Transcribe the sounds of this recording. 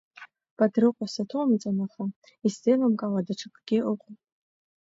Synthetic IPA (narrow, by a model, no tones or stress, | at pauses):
b̥adrɨqʷʼasatʰowmit͡sʼanaχa | istʼelamkʼaladaʈ͡ʂʰɨkʰʼɡ̥ʲɪʔʊqʷʼ